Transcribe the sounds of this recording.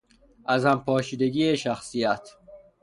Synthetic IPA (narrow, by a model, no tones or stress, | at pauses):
ʔæzhæmpʰɒːʃiːd̪e̞ɡiːeʃæxsijæt̪ʰ